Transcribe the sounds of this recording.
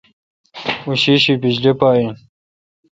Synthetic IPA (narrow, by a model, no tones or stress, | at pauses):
uɕiɕipid͡ʑlepaːi